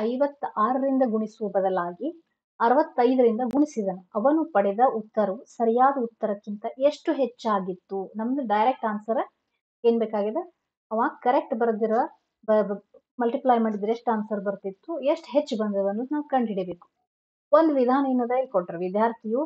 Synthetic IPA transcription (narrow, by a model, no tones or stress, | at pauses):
ɐjʋɐt̪ːaːɾɐɾind̪ɐɡuɳisubɐd̪ɐlaːɡi | ɐɾɐʋɐt̪ːɐjd̪ɐɾind̪ɐɡuɳisid̪ɐnuɐʋɐnupɐɽɛd̪ɐʔut̪ːɐɾusɐɾijaːd̪ɐut̪ːɐɾɐkːint̪ɐʔeʂʈuɦet͡ʃːaːɡit̪ːunɐmːɐd̪ɖɐjɾek̚ʈaːnsɐɾ | eːnbeːkaːɡid̪e | ɐʋaːɡkɐɾek̚ʈbɐɾd̪iɾɐ | bɐ | mɐlʈiplaːjmeɳʈd̪iɾek̚ʈaːnsɐɾbɐɾt̪it̪ːueʂʈɦet͡ʃːbɐnd̪ɐʋɐnunaːʋukɐɳɖiɽebeːku̥ | ond̪uʋid̪ʱaːnɐjnɐd̪ɐilkoʈːɐɾʋid̪ʱjaːɾt̪ʰiju